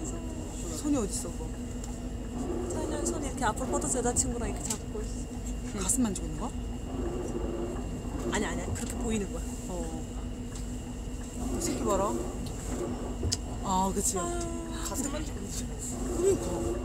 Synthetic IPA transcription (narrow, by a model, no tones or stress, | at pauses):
sʰoɲiʌdis͈ʌsʰo | t͡ɕaansʰʌniɾʌkʰe̞apʰɯɾopʰʌdosedat͡ɕʰiŋɡuɾaiɾkʰet͡ɕʰabukois | kas͈ɯnmand͡ʑoɡinːɯŋɡʌ | aɲiaɲiaikɯɾʌkʰepoinɯnɡʌjo | ʌ | sʰikʰibaɾa | akɯt͡ɕʰiokas͈ɯmand͡ʑoɡinː | uɲio